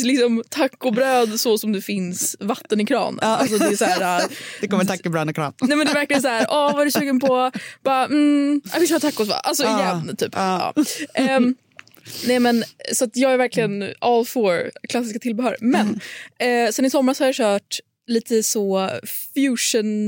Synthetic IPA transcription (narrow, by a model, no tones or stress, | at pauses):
lɪksɔmt̪ʰakːʊbɾøːd̪sɔsɔmd̪ɛfɪnsvat̪ːənɪkʰɾɑ̰ːn̰ːals̬ɔd̪ɛːsæːɾad̪ɛkɔmːət̪ʰakːʊbɾœːɪkʰɾɑ̰ːnnɛmɛnd̪ɛvæɾklɪənsaæːɾʔɔvaɛɾɛsʉ̟ːɡənpʰɔb̥ɑːm̩a̰vɪlʃœːɾt̪ʰakːʊsva̰ʔa̰ls̬ɔɪjɛnːt̪ʰy̰ːpːɑ̰ːɛ | nɛɪmɛnsɔat̪jɑːɡæɾvæɾklɪɡənɑlfɔɾkʰlasːɪskat̪ɪlbɛɦœːɾmɛnː | sɛnɪsɔmːɾashaɾjɑɕœːʈ | liːt̪ʰəsɔfjʉːʂən